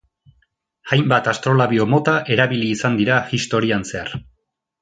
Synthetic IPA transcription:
ajmbat̪ast̪ɾo̞laβio̞mo̞t̪aʔe̞ɾaβiliːsand̪iɾaxist̪o̞ɾianse̞aɾ

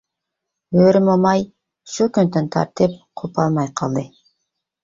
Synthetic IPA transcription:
øːɾymomɑj | ʃukynd̪ønt̪ʰɑ̰ɾt̪ɨpqʰupɑlˠmɑjqʰɑlˠd̪ɨ

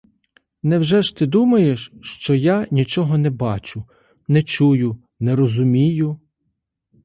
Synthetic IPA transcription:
nɛwʒɛʃt̪ɪd̪umɐjeʃʃt͡ʃɔjanʲit͡ʃɔɦɔnɛbɑt͡ʃʊ | nɛt͡ʃujʊ | nɛɾɔzʊmʲijʊ

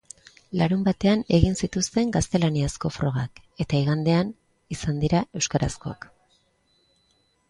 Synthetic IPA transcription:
laɾumbat̪e̞ane̞ɣinsit̪ust̪e̞ŋɡast̪e̞laniasko̞fɾo̞ɣ̞ake̞t̪aiɣand̪e̞an | isand̪iɾae̞wskaɾa̰sko̞a̰k

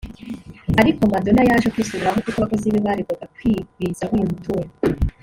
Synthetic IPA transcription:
aɾiko̞mado̞najaːʒekwiːsuɾuɾaɦokukoakoziβiβaɾiɡoɡakwiɡizahujumutuwa

